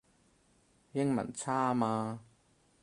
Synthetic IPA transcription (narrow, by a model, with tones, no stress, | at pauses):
jɪ˥ŋmɐ̰˨˩nt͡sʰaː˦˥˧maː˧